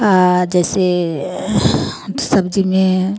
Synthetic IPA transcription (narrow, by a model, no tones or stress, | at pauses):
ad͡ʒɛːse | sɐbd͡ʒimẽ